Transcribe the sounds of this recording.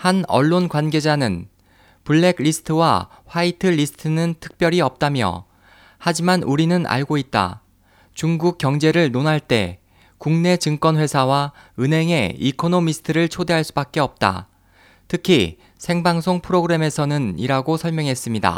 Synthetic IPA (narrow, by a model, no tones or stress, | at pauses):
hanʌ̰ɭːonkwanɡe̞d͡ʑanɯn | puɭːe̞ɡʎisʰɯ̥tʰɯwa̰ɸwaitʰɯʎisʰɯ̥tʰɯnɯntʰɯ̥k̚p͈jʌɾiʌp̚t͈amjʌ̰ | had͡ʑimanuɾinɯnʔa̰ɭɡoit̚t͈a̰ | t͡ɕuŋɡuk̚k͈jʌŋd͡ʑe̞ɾɯɭnonɦaɭt͈e̞̰ | kuŋne̞t͡ɕɯŋk͈wʌnɸwe̞sʰawaɯnɦe̞ŋe̞ikʰonomisʰɯ̥tʰɯɾɯɭt͡ɕʰode̞ɦaɭs͈ubak̚k͈e̞ʌp̚t͈a̰ | tʰɯkʰi | sʰe̞ŋbaŋsʰoŋpʰɯɾoɡɯɾe̞me̞sʰʌnɯniɾaɡosʰʌɭmjʌŋɦe̞s͈ɯmɲida̰